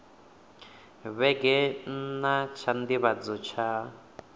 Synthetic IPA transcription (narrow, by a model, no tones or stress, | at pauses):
βɛɡɛnat͡ʃʰand̪iβad͡zɔt͡ʃʰa